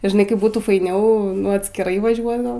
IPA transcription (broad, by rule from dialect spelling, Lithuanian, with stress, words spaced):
ɪ ʒʲɪˈnɐɪ ˈkɐɪp ˈbuːtuː fɐɪˈnʲɛʊ ɐtʲsʲkʲɪˈrɐɪ ʋɐˈʒʲuɔt ɡɐlˠ